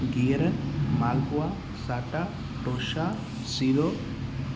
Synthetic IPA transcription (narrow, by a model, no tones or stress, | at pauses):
ɡiɾənmalpua | saʈa | ʈoʃa | sid̪o